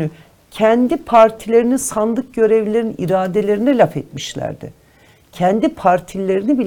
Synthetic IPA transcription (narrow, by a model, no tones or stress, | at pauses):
y | cʰɛnd̪ipʰaɾt̪ʰilʲe̞ɾinisand̪ˠɯk̚ɟø̞ɾevlʲe̞ɾinḭɾaːd̪e̞lʲe̞ɾinɛlʲafet̪miʃlʲæ̰ɾd̪ɪ̰ | cʰɛnd̪ipʰaɾt̪ʰilʲːe̞ɾinibil